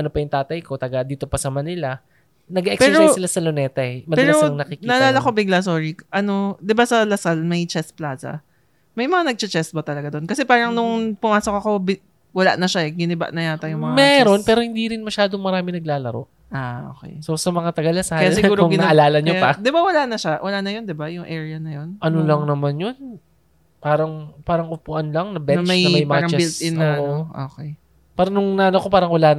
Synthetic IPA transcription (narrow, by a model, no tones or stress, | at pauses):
ʔɐnopɐjʊŋt̪aːt̪ɐjko̞t̪ɐɡad̪iːt̪o̞pɐsɐmɐnɪla | nɐɡɛʔɛkpːɾɛjɪlasɐlonɛːt̪ɐʔɛmɐpɛːaɾoɐŋnɐkikniɐʔɐlaːlɐko̞bɪɡlasoːɹiʔɐno̞d̪ɪbasɐlɐsalmɐjt͡ʃɛsplaːsɐ̰ | mɐjmɐŋanɐɡ̚t͡ʃɐt͡ʃɛs̚bɐt̪ɐlɐɡad̪o̞nkɐsɛpaːɾɐŋnʊŋpʊmaːsokɐko̞b | wɐla̰ʔnɐʃaɛɡɪnɪba̰ʔnɐjaːt̪ɐjʊŋmɐŋmɛɾo̞npɛːɾohɪ̃nd̪iːɾɪnmɐʃaːd̪oŋmɐɾaːmɪnɐɡ̚laːlɐɾo̞̰ | ʔaʔo̰ːkɛ̰jso̞sɐmɐŋat̪ɐɡɐlɐsaɐjasɪɡuːoʊŋɡɪnʔɐlaːlɐɲopɐd̪ɪbawɐlanɐʃawʔɐlanɐjond̪ɪbajʊŋʔɛɹjɐnɐjonʔɐnolɐŋnɐmanjon | paːɾɐŋpaːɾɐŋʔʊpuʔɐnlɐŋnɐbɛnmɐjnɐmɐjmɐaaɾɐŋt͡ʃɛblt̪ɪnoʔʔo̰ːkɛj | paːɾɐnʊŋnanokopaːɾɐŋwɐlan